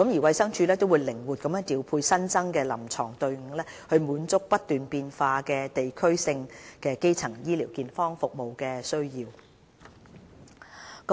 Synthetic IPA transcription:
kə˨˥mji˨˩wɐ˧jsɐ˥ŋt͡ʃʰyː˧lɛː˥t̪o˥wuː˨˧jlɪ˨˩ŋwu˨t̚kɐ˨˧mɐ˥t̪iː˨˧wpʰuː˧jsɐ˥nt͡sɐ˥ŋkɛː˧lɐ̰˨˩mt͡sʰɔ̰ː˨˩ŋt̪ɵ˧ɥŋ̩˨˩ŋlɛː˥hɵ˧ɥmuː˨˥nt͡sʊ˥k̚pɐ˥t̚t̪yː˨npiː˧nfaː˧kɛː˧t̪e˨jkʰɵ˥ɥsɪ˧ŋkɛː˧ke˥jt͡sʰɐ˨˩ŋjiː˥liː˨˩wkiː˨nfɔː˥ŋfʊ˨k̚mo˨wkɛː˧sɵ˥ɥjiː˧w | k

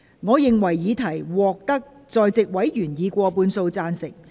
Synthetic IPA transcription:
ŋɔː˨˧jɪ˨ŋwɐ˨˩jːiː˨˧t̪ʰɐ˨˩jwɔː˨k̚t̪ɐ˥k̚ | t͡sɔː˨jt͡sɪ˨k̚wɐ˨˥jjyː˨˩njiː˨˧kʷɔː˧puː˧nso˧wt͡saː˧nsɪ˨˩k̚

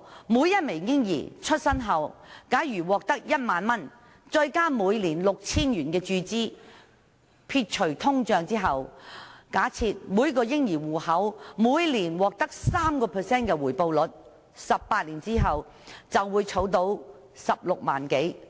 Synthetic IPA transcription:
muː˨˧jɐ˥t̚me˨˩jɪ˥ŋjḭː˨˩t͡ʃʰɵ˥t̚sɐ˥nɦɐ˨˩wkaː˨˥jɥyː˨˩wɔː˨k̚t̪ɐ˥k̚jɐ˥t̚maː˨nmɐ˥n | t͡ʃɵ˧ɥkaː˥muː˨˧jliː˨˩nlʊ˨k̚t͡sʰiː˥nɥyː˨˩nkɛː˧t͡ʃyː˧t͡siː˥ | pʰiː˧t̚t͡ʃʰɵ˨˩ɥt̪ʰʊ˥ŋt͡ʃœː˧ŋt͡siː˥ɦɐ˨wkaː˨˥t͡sʰi˧t̚muː˨˧jkɔː˧jɪ˥ŋjiː˨˩wuː˨˩hɐ˨˥wmuː˨˧jliː˨˩nwɔː˨k̚t̪ɐ˥k̚saː˥mkɔː˧pʰɛː˨sɛː˥nkɛː˧wuː˨˩jpo˧wlɵ˨t̚ | sɐ˨pːaː˧t̚liː˨˩nt͡siː˥ɦɐ˨w | t͡sɐ˨wːuː˨˧jt͡sʰo˨˥wt̪o˧˥w | sɐ˨p̚lʊ˨k̚ma̰ː˨˩nke˨˥j

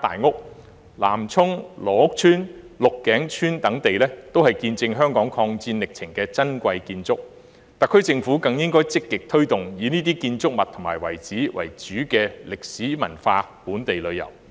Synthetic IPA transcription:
t̪a̰ː˨jŋʊ˥k̚ | la̰ː˨˩mt͡sʰʊ˥ŋlɔː˨˩ʊ˥k̚t͡ʃʰyː˥nlʊ˨kːɛː˨˥ŋt͡ʃʰyː˥nt̪ɐ˨˥ŋt̪e˨jlɛː˥t̪o˥whɐ˨jkiː˧nt͡sɪ˧ŋɦœː˥ŋkɔː˨˥ŋkʰɔː˧ŋt͡siː˧nlɪ˨k̚t͡sʰɪ˨˩ŋkɛː˧t͡sɐ˥nkʷɐ˧jkiː˧nt͡sʊ˥k̚ | t̪a˨kʰːɵ˥ɥt͡sɪ˧ŋfuː˨˥kɐ˧ŋjɪ˥ŋkɔː˥jt͡sɪ˥kːɪ˨k̚t̪ʰɵ˥ɥt̪ʊ˨ŋjiː˨˧niː˥t̪iː˥kiː˧nt͡sʊ˥k̚mɐ˨t̪ʰʊ˨˩ŋmaː˨˩jwɐ̰˨˩jt͡siː˨˥wɐ̰˨˩jt͡ʃyː˨˥kɛː˧lɪ˨k̚siː˨˥mɐ̰˨˩nfaː˧puː˨˥nt̪e˨jlɵ˨˧ɥjɐ̰˨˩w

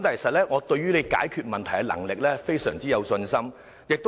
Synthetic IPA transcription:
mt̪aː˨kʰe˨˩sɐ˨t̚lɛː˥ŋɔː˨˧t̪ɵ˧ɥyː˥le˨˧jka̰ː˨˥jkʰyː˧t̚mɐ˨nt̪ʰjkɛ˧lɐ̰˨˩ŋlɪ˨k̚lɛː˥fe˥jsœː˨˩ŋt͡siː˥jɐ˨˧wsɵ˧nsɐ˥m | jɪ˨k̚t̪

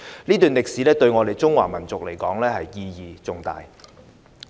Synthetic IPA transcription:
niː˥t̪yː˨nlɪ˨k̚siː˨˥lɛː˥t̪ɵ˧ɥŋɔː˨˧t̪e˨jt͡sʊ˥ŋwa̰ː˨˩mɐ˨˩nt͡sʊ˨k̚le˨˩jkɔː˨˥ŋlɛː˥hɐ˨jːiː˧jiː˨˧t͡sʊ˨˧ŋt̪a̰ː˨j

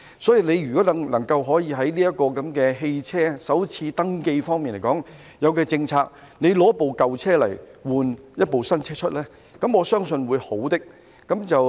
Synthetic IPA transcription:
sɔː˨˥jiː˨˧ne˨˧jyː˨˩kɔː˨˥lɐ˨˩ŋlɐ˨˩ŋkɐ˧wɦɔː˨˥jiː˨˧ɦɐ˨˥jliː˥jɐ˥t̚kːɔː˧kɐ˨˧˥mkɛː˧ɦe˧jt͡sʰɛː˥sɐ˨˥wt͡sʰiː˧t̪ɐ˥ŋke˧jfɔː˥ŋmiː˨nle˨˩jkɔː˨˥ŋ | jɐ˨˧wkɛː˧t͡sɪ˧ŋt͡sʰaː˧k̚ | ne˨˧jlɔ˨˧˥po˨wkɐ˨wt͡sʰɛː˥lɐ̰˨˩jwuː˨njɐ˥t̚po˨wsɐ˥nt͡sʰɛː˥t͡ʃʰɵ˥t̚lɛː˥ | kɐ˨˦mɔː˨˧sœː˥ŋsɵ˧nwuː˨˧jho˨˥wt̪ɪ˥k̚ | kɐ˨˥mt͡sɐ˨w

